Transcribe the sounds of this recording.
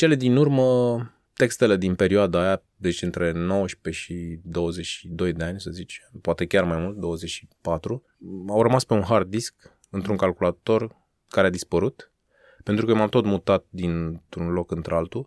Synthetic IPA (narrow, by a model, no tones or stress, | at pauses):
t͡ʃe̞le̞d̪inurmə | t̪e̞kst̪e̞le̞d̪inpe̞ɾioad̪aːja | d̪e̞t͡ʃɨnt̪ɾe̞no̞wəʃpe̞ʃid̪o̞wəze̞t͡ʃʲʃid̪o̞jd̪e̞anʲsəzit͡ʃpoat̪e̞kʲarmajmult̪̚d̪o̞wəzet͡ʃʃi̥pat̪ɾu | awrəmaspe̞unɦard̪isk | ɨnt̪ɾuŋkalkulat̪o̞r | kaɾead̪ispəɾut̪ | pent̪ɾukəmamt̪o̞t̪mut̪at̪̚d̪int̪ɾunlo̞kɨnt̪ɾealt̪u